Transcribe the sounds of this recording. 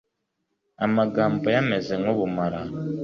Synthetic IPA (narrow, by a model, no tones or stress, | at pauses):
amaɡaːmbojame̞ze̞ŋoβumaɾa